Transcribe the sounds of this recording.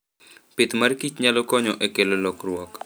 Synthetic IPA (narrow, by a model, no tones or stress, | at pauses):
pɪt̪markit͡ʃɲalokɔɲɔʔekelolɔkrwɔk